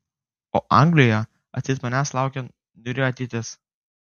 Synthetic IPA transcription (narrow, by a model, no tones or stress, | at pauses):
oːʔɐŋɡlʲɪjoːjɛ | ɐt̪sʲɪt̪mɐnʲæslˠɑˑʊkʲɛ | nʊɾʲjoɐt̪ʲɪt̪ʲɪs